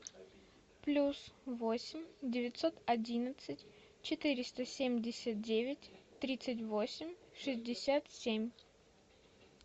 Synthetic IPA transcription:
plʲusvosʲɪmʲdʲɪvʲɪt̪ʲso̞t̪ɐdʲinət̪sɨtʲ | t͡ɕɪt̪ɨɾʲɪst̪əsʲemʲdʲɪsʲət̪̚dʲevʲɪtʲt̪ːɾʲit̪sɨtʲvo̞sʲɪmʲʂɨzʲdʲɪsʲat̪sʲemʲ

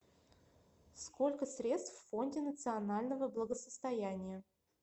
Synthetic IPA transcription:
sko̞lʲkəsɾʲe̞t̪st̪fːo̞nʲdʲɪnət̪sɨɐnalʲnəvəblˠəɡəsəst̪ɐjænʲɪjə

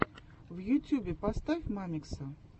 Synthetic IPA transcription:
vjʊtʲubʲɪpast̪afʲmamʲɪksə

